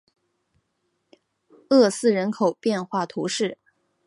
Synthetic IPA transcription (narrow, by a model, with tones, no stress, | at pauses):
ɤ˥˧sɹ̩˥˩ɻə˧˥nkʰo˨˩ʊpjɛ˥˧nxwa˥˩t̪ʰu˧˥ʂɻ̩˥˩